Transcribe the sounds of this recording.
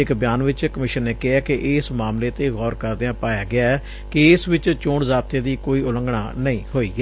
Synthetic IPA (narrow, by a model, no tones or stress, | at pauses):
ɪkbɪjaːnʋɪt͡ʃkəmɪʃənːeːkɪɦaːkɪʔɪsmaːmleːt̪eːɣɔːɾkəɾd̪eãːpaːjaːɡɪaːɛ | keɪsʋɪt͡ʃt͡ʃõːɳzaːb̚t̪eːd̪iːkoːiːʊlə̃ŋɡɳa̰ːnəĩːhoːiːɡɛː